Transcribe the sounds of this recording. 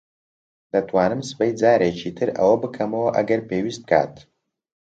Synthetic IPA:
dɐtʰʷʼwaːnɨmsbajd͡zaːɾet͡ʃʰiːtʰɨra̰wɐbɨkʰɐmɐwɐʔaɡɐrpʰeːɥisp̚kʰʼa̰ːtʰ

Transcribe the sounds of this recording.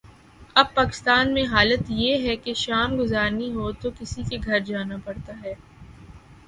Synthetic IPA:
ɐb̚paːkɪ̥st̪aːnmẽɦaːlət̪jeɦɛkeʃaːmɡʊzaːɾniɦoːt̪okɪsikeɡʱɐɾd͡ʒaːnapɐɽt̪aɦɛː

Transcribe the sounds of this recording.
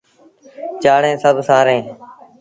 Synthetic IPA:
t͡ʃaːɽẽːsəbʱsaːɾẽː

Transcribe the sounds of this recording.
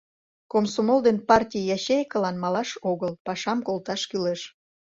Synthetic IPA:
komsomolˠd̪enpɑrtʲijjɑɕejkəlɑnmɑlɑʃoɣəlpɑʃɑmkolt̪ɑʃkyleʃ

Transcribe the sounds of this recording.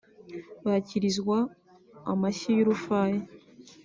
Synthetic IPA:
βaciɾizɡwaː | maɕijoɾufaːje

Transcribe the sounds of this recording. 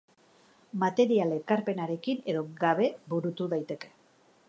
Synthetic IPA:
mat̪e̞ɾialekaɾpe̞naɾe̞kine̞ðo̞ɡaβe̞buɾut̪uðajt̪e̞ke̞̥

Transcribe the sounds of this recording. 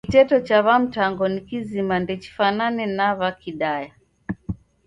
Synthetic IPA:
kitɛtɔt͡ʃaβam̩taŋɡɔnikizimandɛt͡ʃi̥fananɛnaβakiɗaja

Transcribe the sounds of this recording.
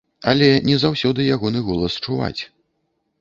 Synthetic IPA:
ɐlʲɛnʲɛzawsʲɔd̪ɨjaɣɔnɨɣɔlˠɐst͡ʂuva̰t͡sʲ

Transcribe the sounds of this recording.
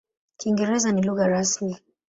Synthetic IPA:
kiŋɡɛɾɛzaniluɣaɾasmi

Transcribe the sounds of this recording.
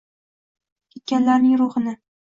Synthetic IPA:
kʲʰet̪̚kʲanlaɾnɪŋɾʊhɨnɪ

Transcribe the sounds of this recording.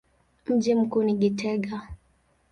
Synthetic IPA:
m̩d͡ʒim̩kuniɡitʰɛɡa

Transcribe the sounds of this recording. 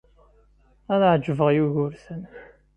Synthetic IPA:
ænʕd͡ʒəvəʁjuʝʊɾsən

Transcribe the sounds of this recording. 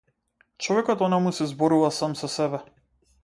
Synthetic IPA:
t͡ʃɔvɛkɔt̪ɔnamusɛzbɔɾuvasamsɔsɛbɛ

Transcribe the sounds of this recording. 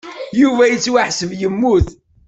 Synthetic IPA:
juvæjət͡sːwaħsəvjəmːuθ

